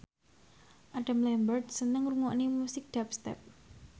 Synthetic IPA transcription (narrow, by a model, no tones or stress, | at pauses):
ʔaɖ̥a̤mlɛmbərt̪̚sənəŋruŋɔʔnemusɪk̚d̥apst̪ɛ̰p̚